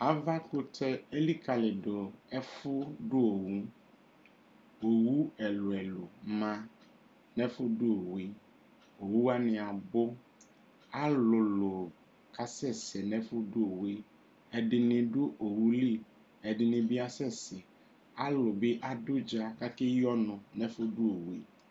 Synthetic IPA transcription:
a˦va˦kʊ˦tɛ˦e˦li˦ka˨lɪ˨do˨ɛ˦fʊ˦ɖʊ˦o˨wu˦ | o˨wu˦ɛ˨lʊ˨ɛ˨lʊ˨mã˦ | nɛ̃˦fʊ˦dʊ˦o˨wi˦ | o˨wu˦a˦nɪ̃˨a˨bʊ˦ | a˦lʊ˨lʊ˨ | ka˦sɛ˦˨sɛ˨nɛ̃˦fʊ˦dʊ˦o˨wi˦ | ɛ˨dɪ˨nɪ̃˨dʊ˦ʔo˨wu˦li˦˨ | ɛ˨dɪ˨nɪ̃˨bɪ˦a˦sɛ˦˨sɛ˨ | a˦lʊ˨bɪ˦ʔa˦dʊ˦d͡ʒa˦ka˦kɪ˦jɔ˦nʊ̃˨nɛ˦fʊ˦dʊ˦o˨wi˦

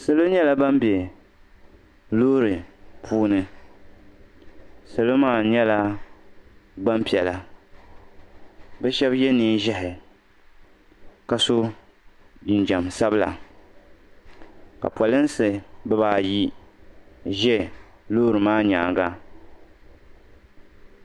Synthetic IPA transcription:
sɨ˨lo˦ɲɛ˦la˦ba˦mbe˨ | loː˦ɾɨ˨pʰuː˦nɨ˨ | sɨ˨lo˦maː˦˨ɲɛ˦la˦ | ba˦mpi˨ɛ˨la˨ | bɛ˦ʃɛ˦bjɛ˦niː˦ʒɛ˦hɪ˨ | ka˨so˦ | d͡ʒi˨nd͡ʒa˨msa˦bɨ˦la̰˨ | ka̰˨pwɔ˨lɨ˦n˦sɨ˨bɛ˦baː˨ji˦ | ʒɛ˦loː˦ɾɨ˨maː˦ɲa̰ː˨ɡa˦

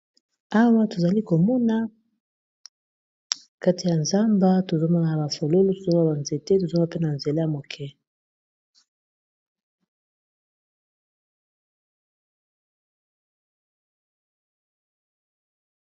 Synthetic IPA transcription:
a˦wa˦to˨za˨li˦ko˨mɔ˦na˦ | ka˦ti˨ja˨nza˦mba˦to˨zo˦ma˦na˨a˨ba˨fo˨lo˦lo˦to˨zo˦a˦ba˨nze˨te˦to˨zo˦m˦a˦pe˦na˨nze˨la˦ja˨mo˨kʰɛ˦

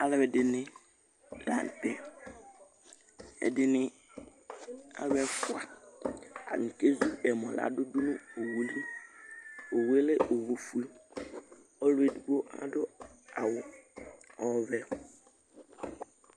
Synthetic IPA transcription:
a˨lɪ˨ɛ˨dɪ˨nɪ̃˦ | lã˨n˨tɛ˨ | ɛ̰˨dɪ˨nɪ̃˦ | a̰˨lɛ˦fʊ˦a˨ | a̰˨ŋ̩˨ke˦zu˦ɛ˨mɔ̃˨la̰˨dʊ˦dʊ˦nʊ̃˦o˨wu˨li˦ | o˨wu˨˦e˦lɪ˦o˨wo˨fu˦e˦ | ɔ˦lʊ˦e˨du˨ɡo˦ʔa̰˨dʊ˦a˨wʊ˨ | ɔ˦˨vɛ˦

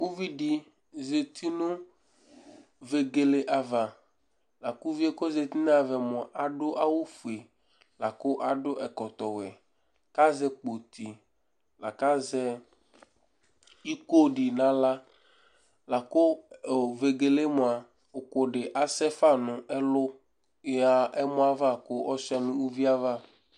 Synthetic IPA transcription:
wo˦vi˦ɖi˨ | ze˨t̪ʰi˦nũ˦ | ve˨ɡe˨le˨ʔa˨va˨ | la˨ku˦vi˦e˦ko˦ze˨t̪i˦n˦a˨vɛ˨mɔ̃˨ʔa˨ɖʊ˦ʔa˦wo˦fu˨e˨ | la˨ko˦ʔa˨ɖo˦ʔɛ˨kɔ˨t̪ɔ˨wɛ̰˨ | ka˦zɛ˦k͡po˨t̪i˨ | la˨ka˦zɛ˦ | i˦ko˦ɖi˨nã˨la˦ | la˨kʊ˦˨ve˨ɡe˨le˦mʊ̃˨a˨ | ʊ˨kʊ˨ɖɪ˨ʔa˨sɛ˦fa˦nʊ̃˨ɛ˦lʊ˦ | ja˦ɛ˦mɔ̃˦a˦va˦kʊ˦ʔɔ˦si˦a˨nʊ̃˦wu˦vi˦a˦va˦

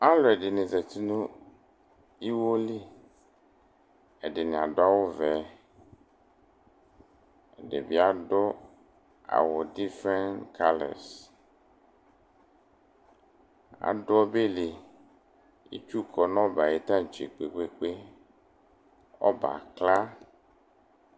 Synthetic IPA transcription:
a˦lɔ˨e˨ɖe˨nĩ˨ze˨t̪i˦nũ˦ | i˦wo˦li˦ | e˨ɖe˨nẽ˨a˨do˦a˦wo˦vɛ˨˦ | e˨ɖḛ˨bi˦a˨ɖɔ˦ | a̰˨wɔ˨di˦fɾɛ̃˦nkʰa˦lɛ̰˨s | a̰˨ɖɔ˦be˦li˨ | ḭ˦t͡ʃu˦kɔ˨nɔ̃˦ba˨je˨t̪ã˦˨t͡ʃi˨k͡pe˨k͡pe˦k͡pe˦ | ɔ̰˦ba̰˨kla˦

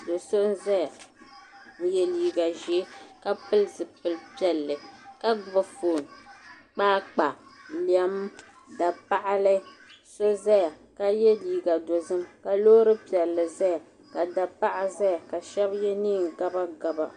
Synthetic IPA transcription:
do˨so˦n˦za˦ja˨ | jɛ˨liː˨ɡa˨ʒɛ˨˦ka˦pɨ˦lzɨ˨pɨ˨lpi˦ɛ˨lːɨ˨ka˦ba˨foː˨n | k͡paː˦k͡pa˨li˨ɛ˦m | da˨pa˦ʔa˦lɨ˦so˦za˦ja˨ka˦jɛ˦liː˨ɡa˨do˨zɨ˦mka˨loː˦ɾɨ˦pi˨ɛ˨lːɨ˨za˦ja˨ | ka˨da˨pa˦ʔa˦za˦ja˨ka˨ʃɛ˦bjɛ˦niː˦˨ŋ˨ɡa˦ba˦ɡa˨ba̰˨

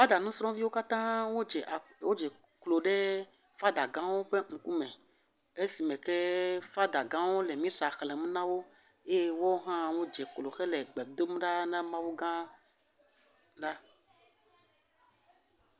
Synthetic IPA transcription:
fa˦d̪a˨nũ˦sɾɔ̃˦vi˦wo˦ka˦t̪ã˦wo˦d͡ʒɛ˨wo˦d͡ʒɛ˨ | klo˨ɖɛ˦ | fa˦d̪a˨ɡã˦wo˦ɸe˦ŋ̩˨ku˦mɛ̃˨ | e˦si˨mɛ̃˨kɛ˦fa˦d̪a˨ɡã˦wo˦lɛ˨mĩ˦ta˨xlɛ˨mẽ˦nã˦wo˦ | e˦wo˦ɦã˦wo˦d͡ʒɛ˨klo˨xɛ˦lɛ˨ɡ͡bɛ˨bd̪o˦m˦ɖa˦nã˦mã˦wu˦ɡã˦ | ɖa˦

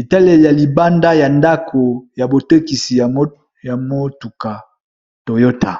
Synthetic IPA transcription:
e˨ta˦le˨ja˨li˨ba˦nda˦ja˨nda˦kʰo˨ja˨bo˨te˦ki˨si˨ja˨mo˦ | ja˨mo˦tu˨ka˨ | to˨jo˦ta˨

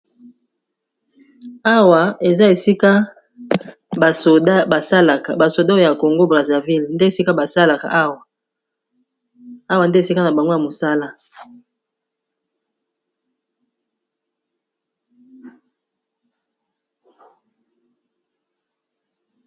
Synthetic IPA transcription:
a˦wa˨e˨za˦e˨si˦ka˦ | ba˨so˨da˦ba˨sa˦la˨ka˨ba˨so˨da˦o˦˨ja˨ko˨ŋɡo˦bʁa˨za˨vi˦lnde˦e˨si˦ka˦ba˨sa˦la˨ka̰˨ʔa˦wa˨ | a˦wa˨nde˦e˨si˦ka˦na˨ba˨ŋɡo˦ja˨mo˨sa˦la˦

